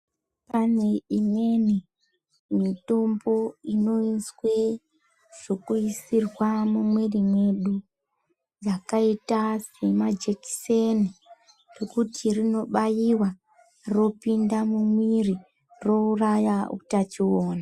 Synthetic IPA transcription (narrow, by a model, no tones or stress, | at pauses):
pane̞ime̞ni | mito̞mbo̞ino̞iswe | ʐ̥o̞kuisirwamumwerimwe̞ɗu | d͡zakaitase̞mad͡ʒeki̥seni | rokutʰirino̞ɓajiwa | ro̞pindamumwiri | ro̞urajaṵtat͡ʃiwoːna